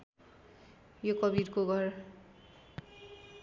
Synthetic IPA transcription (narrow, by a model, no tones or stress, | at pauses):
jokʌbiɾkoɡʱʌr